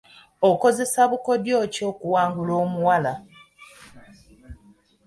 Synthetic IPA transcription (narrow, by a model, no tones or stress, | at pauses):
oko̞ze̞saβuko̞djo̞ːco̞ːkuwaːŋɡulo̞ːmuwala